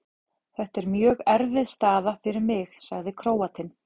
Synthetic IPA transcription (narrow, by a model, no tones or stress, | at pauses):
θɛht̪ɛɾmjœːɣɛɾvɪðst̪aːðafɪɾɪɾmɪxsaɣðɪkʰɾoːwat̪ʰɪn